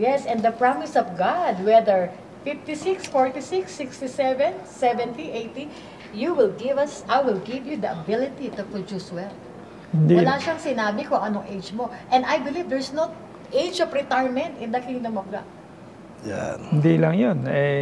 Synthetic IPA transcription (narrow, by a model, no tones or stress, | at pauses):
jɛsɛnd̪ɐpɹamɪsɔfɡad̪wɛd̪ɛɹ | fɪft̪isɪksfɔɹt̪isɪksːɪkst̪isɛvɛ̃nsɛvɛ̃nt̪iʔejt̪i | juwɪlɡɪvɐsʔajwɪlɡivjud̪ɐɐbɪlɪt̪it̪ʊpɹʊd͡ʒuswɛl | hɪnd̪iwɐlaʃaŋsɪnaːbɪkoʔɐnoŋʔejd͡ʒmo̞ʔɛ̃nd̪ajbɪlivd̪ɛɹsno | ʔejd͡ʒɔvɹɛt̪aɹmɛ̃nt̪ɪ̃nd̪ɐkɪŋd̪ɐŋmɐɡa̰ʔ | ja̰hɪnd̪ilɐŋjonɛ